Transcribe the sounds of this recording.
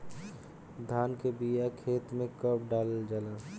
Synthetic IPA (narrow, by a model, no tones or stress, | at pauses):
d̪ʱaːnkebijakʰeːt̪mẽkəp̚ɖaːld͡ʒaːlaː